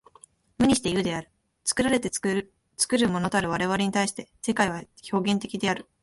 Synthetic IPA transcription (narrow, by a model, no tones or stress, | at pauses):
mɯ̟ɲ̟ʲiɕi̥t̪e̞jɯ̟d̪e̞aɾɯ̟ | t͡sɨ̥kɯ̟ɾaɾe̞t̪e | t͡sɨ̥kɯ̟ɾɯ̟mo̞no̞t̪oaɾɯ̟β̞aɾe̞β̞aɾʲe̞ɲ̟it̪aiɕi̥t̪e̞se̞kaiβ̞aço̞ːɡẽ̞nt̪e̞kʲid̪e̞aɾɯ̟